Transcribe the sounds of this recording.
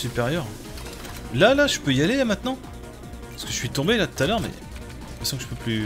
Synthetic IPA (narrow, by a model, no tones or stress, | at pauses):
sypeʁjœʁ | lalaʒəpøijaleamɛ̃t̪nɑ̃ | paʁskəʒəsɥit̪ɔ̃belat̪u̥t̪alœʁmɛ̰ | kɛsɑ̃kʒə̥pøply